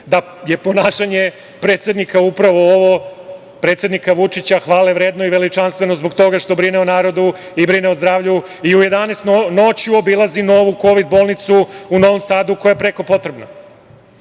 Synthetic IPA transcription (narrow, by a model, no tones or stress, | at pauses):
d̪a | je̞po̞naːʃaɲe̞ | pɾe̞ːt̪sjed̪nikaupɾaʋo̞oʋo | pɾe̞t̪sje̞d̪nikaʋut͡ʂit͡ɕaxʋaːleʋɾeːd̪no̞iʋe̞lit͡ʂanst̪ʋe̞nozbo̞ɡt̪o̞ɡaʃt̪o̞bɾineonaːɾo̞d̪u | ibɾineozd̪ɾaːʋʎu | iuje̞d̪anest̪nnot͡ɕjuobilˠazino̞ʋuko̞ʋid̪bo̞ːlˠnit̪suuno̞ʋomsaːd̪uko̞jajepɾe̞ko̞po̞t̪ɾebno